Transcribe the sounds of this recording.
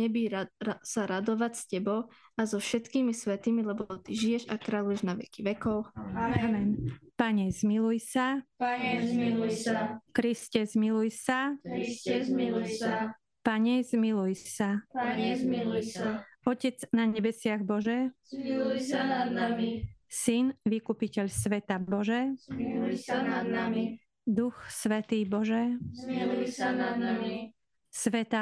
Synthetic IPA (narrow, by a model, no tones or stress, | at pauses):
ɲɛbiɾsaɾad̪ɔʋacscɛbɔʊ | azɔfʃɛt̪kiːmisʋɛt̪imilɛbɔɔt̪iʒijɛʒakɾalujɛʒnaʋɛ̰kiʋɛkɔʊamɛnpaɲɛz̥milujsaaɛilujakɾiscɛzmilujsaɛmiluja | paɲɛzmilujsaaɲɛlja | ɔcɛd͡znaɲɛbɛsɪaɣbɔʒɛuanad̪namisinʋikupicɛʎsʋɛt̪abɔʒɛ | anaai | d̪uxsʋɛt̪iːbɔʒɛuanad̪mi | sʋɛt̪a